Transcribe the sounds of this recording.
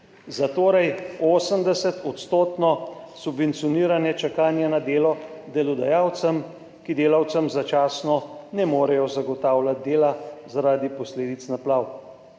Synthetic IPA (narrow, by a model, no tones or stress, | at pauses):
zat̪oːɾɛjoːsəmd̪ɛsɛt̪ɔt̪st̪oːt̪nɔsubʋɛnt̪sijɔniːɾanjɛt͡ʃakaːnjanad̪eːlɔd̪ɛlɔd̪ajaːwt̪səm | kid̪eːlawt̪səmzat͡ʃaːsnɔnɛmoːɾɛjɔzaɡɔt̪aːwlat̪̚d̪eːlazaɾaːd̪ipɔsleːd̪it̪snaplaːw